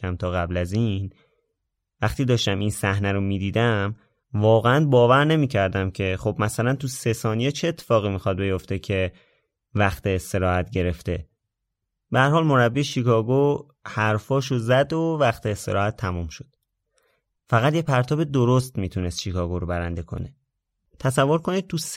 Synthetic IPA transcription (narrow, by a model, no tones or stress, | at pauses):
æmt̪ʰɒːɣæblæzin | væxt̪iːd̪ɒːʃt̪æminsæhnæɾomiːd̪iːd̪æm | vɒːɣeænbɒːvæɾne̞miːcʰæɾd̪æmcʰe̞χo̞bmæsælænt̪ʰuse̞sɒːnijet͡ʃʰeːt̪ʰːe̥fɒːɣimixɒd̪̚be̞jo̞ft̪e̞cʰe̞ | væxt̪ʰeːst̪e̞ɾɒːhæt̪̚ʰɟe̞ɾe̞ft̪e̞ | b̥ehæɾhɒːlmo̞ɾæbːiːʃikʰɒːɡo | hæɾfɒːʃozæd̪ovæxt̪ʰeːst̪e̞ɾɒːhæt̪ʰːæmuːmʃod̪̥ | fæɣæt̪jepʰæɾt̪ʰɒːbe̞d̪oɾo̞st̪miːt̪ʰunest̪ʃikʰɒːɡoɾobæɾænd̪e̞kʰo̞̰ne̞ | t̪ʰæsævːoɾkʰo̞nit̪ʰus